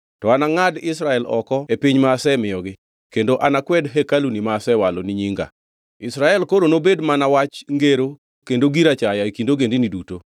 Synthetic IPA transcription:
tɔanaŋadɪsɾaɛlɔ̰kɔepiɲmaːsɛmɪjɔɡɪ | kendoʔanakwɛdɦekalunimaːsɛwaloniɲiŋɡa̰ | ɪsɾaɛlkoɾonobedmanawat͡ʃŋɡeɾo | kendoɡiɾat͡ʃajaikindoɡendiniduto

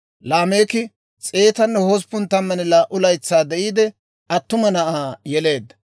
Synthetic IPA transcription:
laːme̞ːkɪ | t͡sʼeːt̪ɐnːɛhɔs̬pʊnt̪ɐmːɐnɪlaːʔʊlɐjt͡sːaːd̪ɛʔiːd̪ɛ | ʔɐt̪ːʊmɐnɐʔaːjɛle̞ːd̪ːɐ̥

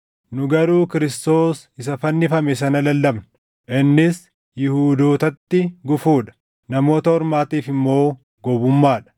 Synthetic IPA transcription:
nʊɡɐɾuːkɪɾɪst̪o̞ːs | ɪsɐfɐnːɪfɐmɛsɐnɐlɐlːɐbnɐ | ʔɪnːɪs | jɪhuːd̪oːt̪ɐt̪ːɪɡʊfuːᶑɐ̥ | nɐmo̞ːt̪ɐhɔɾmaːt̪iːfɪmːo̞ː | ɡɔbʊmːaːᶑɐ̥

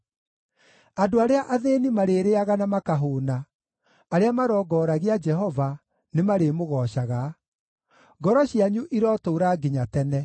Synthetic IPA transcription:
adoaɾeaʔaðeːnimaɾeːɾeaɣanamakaɦoːnaː | ɾeamaɾɔːɡɔɾaɣead͡ʒɛɦɔva | nemaɾemoɣɔːɕaɣa | ɡɔɾɔɕiaɲuʔiɾɔtoːɾaɡiɲatɛnɛ

